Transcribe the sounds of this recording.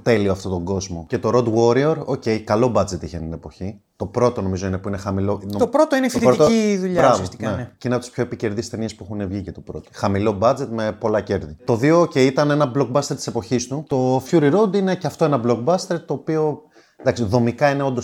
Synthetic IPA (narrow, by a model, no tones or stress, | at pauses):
t̪e̞lioɐft̪o̞t̪o̞ɡo̞zmo̞ce̞t̪o̞ɾo̞d̪wo̞ɾioɾoce̞jkɐlo̞bɐd͡ze̞t̪içeninepo̞çi | t̪o̞pɾo̞t̪o̞no̞mizo̞inepuinexɐmilo̞not̪opɾot̪oinefit̪ɾot̪oiðuʎbɾɐvosinencineɐpot̪i̥spço̞epice̞ɾðist̪e̞niespuexunevʝicet̪opɾo̞t̪oxɐmilo̞bɐd͡ze̞t̪me̞po̞lɐce̞ɾðit̪o̞ðio̞oceiit̪ɐne̞nɐbloɡ̚bɐst̪e̞ɾt̪i̥sepo̞çist̪ut̪o̞fçuɾiɾod̪ine̞ceɐft̪o̞enɐblo̞kbɐst̪e̞ɾt̪o̞ːpio̞ | d̪ɐksiðo̞mikɐine̞o̞nd̪os